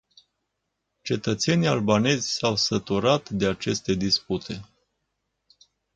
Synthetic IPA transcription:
t͡ʃe̞t̪ət̪se̞nialbane̞zʲsawsət̪uɾat̪d̪e̞at͡ʃe̞st̪e̞d̪isput̪ʰe̞

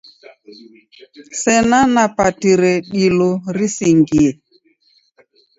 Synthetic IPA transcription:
sɛnanapatiɾɛɗilɔɾisiŋɡiɛ

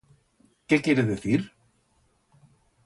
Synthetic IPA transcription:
cɛːcɛːjɾɪðɪθiɾ̥

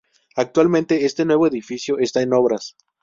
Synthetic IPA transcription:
ak̚t̪walmẽnt̪e̞e̞st̪e̞nwe̞β̞o̞eðifisjo̞ʔe̞st̪aeno̞βɾas

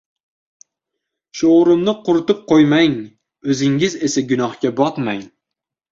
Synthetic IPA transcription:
ʃoɾʊmnɪqʰʊɾʊt̪ɨp̚qʰojmaŋ | ɵzɪŋɪzesaɡʲʊnɒhkʲabɒt̪maŋ

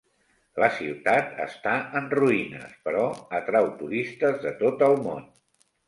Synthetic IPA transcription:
ləsiwt̪at̪ə̰st̪aənruinə̰spəɾɔət̪ɾawt̪uɾist̪əzðət̪ot̪əlˠmo̰n

